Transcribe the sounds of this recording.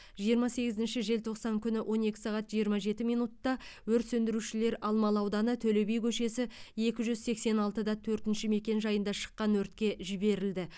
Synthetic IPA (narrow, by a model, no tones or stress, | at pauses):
ʒ̥ijəɾmɑse̞ɡʲɪzɪnʃɪʒe̞lt̪ʰo̞qsɑŋkʲʰʏnɪwʔo̞ne̞kʲɪ̥sɑʁɑt̪ʒijəɾmɑʒe̞t̪ɪmijnut̪ːɑwɵɾt̪sɵnd̪ɪɾuʃɪle̞ɾɑlˠmɑlˠɑwd̪ɑnət̪ʰɵlebejkʲʰɵʃe̞sɪe̞kʲɪʒʏzse̞kse̞nɑlˠt̪əd̪ɑt̪ʰɵɾt̪ɪnʃɪme̞kʲe̞nʒɑjənd̪ɑʃə̥qːɑnwɵɾt̪kʲe̞ʒɪbe̞ɾɪld̪ɪ